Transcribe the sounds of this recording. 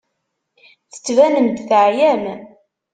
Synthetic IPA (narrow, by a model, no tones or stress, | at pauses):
θə̥t͡sːvænəmd̪θəʕjæm